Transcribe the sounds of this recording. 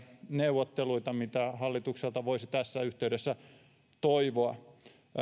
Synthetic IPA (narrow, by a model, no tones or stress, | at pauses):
neuʋot̪ːeluit̪ɑmit̪æhɑlːit̪ukselt̪ɑʋoisit̪æsːæyht̪eydesːæ | t̪oiʋoɑ